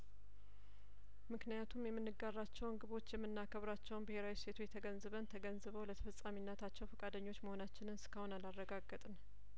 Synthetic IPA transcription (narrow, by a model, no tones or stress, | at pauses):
mɨknijat̪ʰumjɛmːɨnːɨɡarːat͡ʃːɛwnɡɨβo̞t͡ʃːjɛmːɨnːakʰəβɾat͡ʃːɛwnbɨhe̞ɾawise̞t̪ʰujɛt̪ʰəɡənzɨβənt̪ʰəɡənzɨβəwlət̪ʰə̥fəsʼaminːət̪ʰat͡ʃːɛwfəkʼad̪əɲːot͡ʃːməho̞nat͡ʃːɪnɨnsɨ̥kʰəhonalarːəɡaɡːət̪ʼɨn